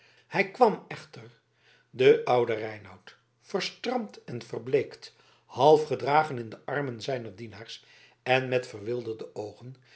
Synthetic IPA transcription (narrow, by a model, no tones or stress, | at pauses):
hɛjkʋɑmɛχtər | dəʔʌwdərɛjnɑwt | fərstrɑmtɛnvərblejkt | hɑlˠfχədraːχənɪndəʔɑrmənzɛjnərdinaːɹs | ɛnmɛtfərʋɪlˠdərdəowχən